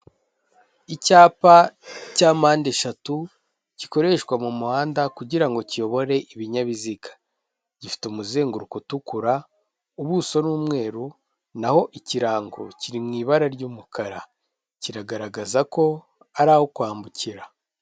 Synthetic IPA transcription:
icaːpacaːmaːndeʃatu | ciko̞ɾe̞ʃkwamumuhaːndakuɟiɾaŋɡo̞cijo̞βo̞ɾe̞ʔiβiɲaβizikḁ | ɟifi̥tumuzeːŋɡuɾukutukuɾa | uβuso̞nuːmŋe̞ːɾu | naho̞ʔiciɾaːŋɡo̰ciɾimŋiːβaɾaɾɟuːmukʰaɾa | ciɾaɡaɾaɡazako̞ | aɾaːhokwaːmbuciɾa

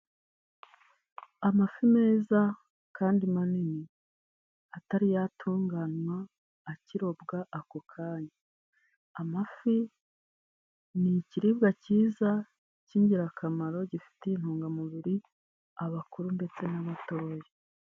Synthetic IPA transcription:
amafime̞ːza | kʰaːndimanini | ataɾijatʰuːŋɡanwaː | ciɾo̞bɡaʔakokʰaːɲa | amafi | niciɾibɡaciːza | ciɲɟiɾakʰamaɾo̞ɟifi̥tein̥huːŋɡamuβiɾi | aβakuɾunde̞t͡se̞naβato̞ːje

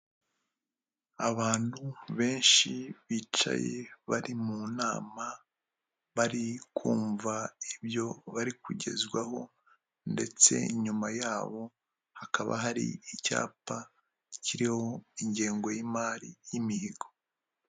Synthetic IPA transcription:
aβaːn̥huβe̞ːnʃiβiːt͡ʃa̰jeβaɾimunaːma | βaɾikʰuːɱvaibjo̞βaɾikʰuɟe̞̰zɡwaɦo̞ | nde̞̰t͡se̞̰iɲumajaːβo̞ | hakaβa̰ɦaɾḭica̰ːpa | ciɾiho̞iɲɟeːŋɡo̞jimaːɾijimihiɡo

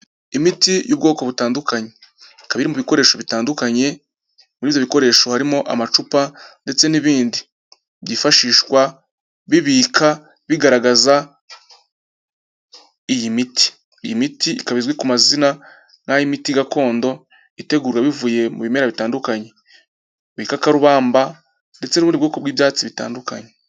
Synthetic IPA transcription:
imitijuːb̚ɡo̞ːko̞βutaːndukaɲe̞ | kaβiɾimuβiko̞ɾe̞ːʃo̞βitaːndukaɲe̞ | muɾiːvjo̞βiko̞ɾe̞ːʃo̞haɾimo̞ʔa̰mat͡ʃupande̞t͡se̞niβiːndi | βjifaʃiːʃwa | βiβiːkʰa | βiɡaɾaɡaza | ijimiti̥ | jimitiikaβizɡwikumazina | ŋhajimitiɡako̞ːndo̞ | ite̞ɡuːɾwaβivuje̞mṵβime̞ɾaβitaːndukaɲe̞ | βiːkakaɾuβaːmba | nde̞t͡se̞nuβuːndibɡo̞ːkoβwiːbjaːt͡siβita̰ːndukaɲe

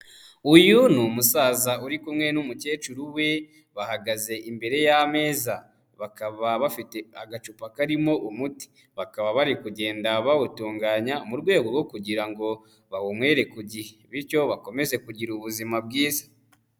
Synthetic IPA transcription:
ujunumusaːzauɾikumŋe̞numuce̞ːt͡ʃuɾuwe̞ | βahaɡaze̞ʔimbe̞ɾe̞jame̞ːza | βakaβaβafite̞aɡat͡ʃupakaɾimo̞ʔumuti̥ | βakaβaβaɾikuɟe̞ːndaβawutuːŋɡaːɲaumuɾɡwe̞ːɡoɾɡo̞kuɟiɾaŋɡo̞ | βawomwe̞ːɾe̞kuɟiheβiɾco̞βako̞me̞ze̞kuɟiɾuβuzimabɡiːzḁ

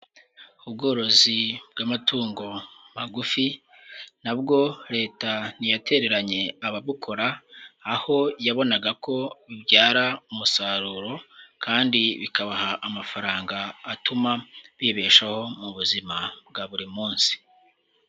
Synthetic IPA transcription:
ubɡo̞ːɾo̞zib̚ɡamatuːŋɡo̞maɡufi | nab̚ɡo̞ɾe̞ːtanijate̞ɾe̞ɾaɲe̞aβaβukʰo̞ɾaː | ho̞jaβo̞naɡakʰo̞βibɟaːɾaumusaɾuːɾo̞kʰaːndiβikaβahaʔːmafaɾaːŋɡaːtumaβiːβe̞ːʃaho̞muβuzimab̚ɡaβuɾimuːnsi̥

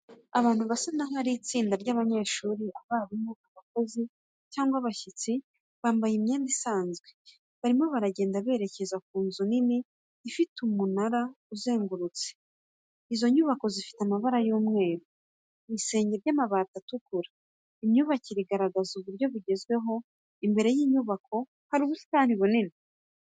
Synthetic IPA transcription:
aβaːn̥huβasanaɦaɾit͡siːndaɾɟaːβaɲe̞ːʃuːɾiʔaβaːβumuːkaβako̞zi | caːŋɡwaβaçit͡si | βaːmbajimɲeːndisaːnzɡwe̞ | βaɾimo̞βaɾaɟe̞ːndaβe̞ːɾe̞ce̞zak̚uːnzunini | ifitumunaɾa | uze̞ːŋɡuɾut͡se̥ | izo̞ɲuβako̞zifi̥tamaβaɾajoːmŋe̞ːɾu | βise̞ːɲɟe̞ɾɟamaβaːtatukuɾḁ | imɲuβaciɾiɡaɾaɡazuβuɾɟo̞βuɟe̞zɡwe̞ɦo̞ | imbe̞ɾe̞jiːɲuβakʰo̞ | haɾuβusi̥taːn̥iβonini

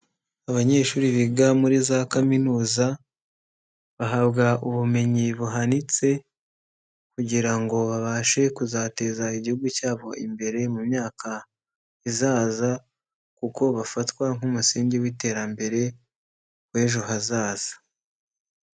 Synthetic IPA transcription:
aβaɲe̞ːʃuːɾiβiɡamuɾizakaminuːza | βaɦaβɡauβume̞ɲiβuɦanit͡se̞ | kuɟiɾaŋɡo̞βaβaʃe̞kuzate̞zaiɟihuɡucaːβo̞imbe̞ɾe̞mumɲaːkʰa | izaːza | kuko̞βafatkwaŋ̥humusiːɲɟiwite̞ːɾambe̞ɾe̞ | we̞ːʒo̞ɦazaːz̥ḁ

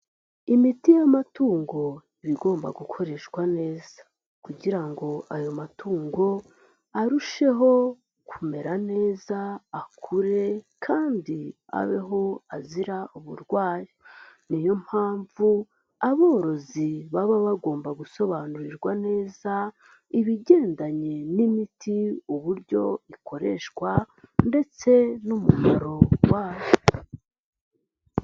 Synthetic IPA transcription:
imitijamatuːŋɡo̞iβiɡo̞ːmba̰ɡukʰo̞ɾe̞ʃɡwane̞ːz̥ḁ | kuɟiɾaŋɡo̞ajo̞matuːŋɡo̞ | aɾuʃe̞ɦo̞ | kʰume̞ɾane̞ːzaːkʰuɾe̞kʰaːndi | a̰βe̞ɦo̞aziɾauβṵɾɡwaːjenijo̞m̥haːɱvu | aβo̞ːɾo̞ziβaβaβaɡo̞ːmbaɡuso̞βaːnuɾiɾɡwane̞ːza | iβiɟe̞ːndaɲe̞nimitʰiuβuɾɟo̞̰iko̞ɾe̞̰ʃwa | nde̞t͡se̞numumaɾo̞waːjo

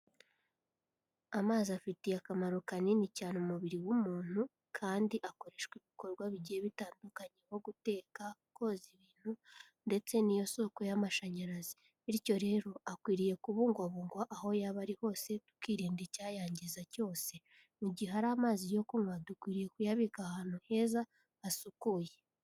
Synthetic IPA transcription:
amaːziafitijakamaɾokaninicaːnomuβiɾiwumuːn̥hu | kʰaːndiʔako̞ɾe̞ʃɡwiβiko̞ɾɡwaβiɟiheβitaːndukaɲeβo̞ɡute̞ːkako̞ziβiːn̥hu | nde̞t͡se̞nijo̞so̞ko̞jamaʃaɲaɾazi̥ | iɾico̞ɾe̞ɾo̞akwiːɾije̞kuβuːŋɡwaβuːŋɡwaʔːho̞jaβaɾiho̞ːse̞tu̥kiːɾiːndicaːjaːɲɟizaco̞ːse̞ | muɟiɦaɾaːmaːzijo̞koŋwadukwiːɾije̞kujaβikahanuhe̞zaː | sukuːje̞

